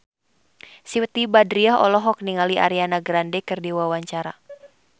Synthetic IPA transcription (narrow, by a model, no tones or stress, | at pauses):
siwt̪ibadɾiaɦɔ̰lɔɦɔk̚niŋaliʔa̰ɾianaɡɾandɛkɨrdiwawaɲt͡ʃaɾa